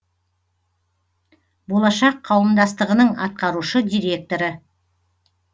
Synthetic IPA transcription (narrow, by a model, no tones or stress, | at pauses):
bo̞lˠɑʃɑqʰːɑwəmd̪ɑst̪əʁənəɴɑ̰t̪̚qɑɾuʃəd̪ijɾʲe̞k̚t̪o̞ɾə